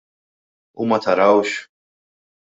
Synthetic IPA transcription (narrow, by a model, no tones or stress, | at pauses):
ṵmɐt̪ʰɐɾɐwʃ